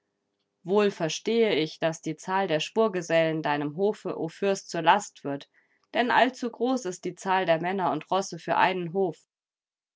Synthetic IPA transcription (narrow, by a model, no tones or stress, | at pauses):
voːlfɛɐʃteːəɪçd̥asd̥iːt͡saːldeːɐʃpuːɐɡəzɛləndaɪnəmɦoːfəʔoːfʏɐst͡suːɐlastv̥ɪɐt | d̥ɛnʔa̰lt͡suɡʁoːsɪst̚d̥iːt͡saːldeːɐmɛnɐʊntʁ̥ɔsəfyːɐʔa̰ɪnənɦoːf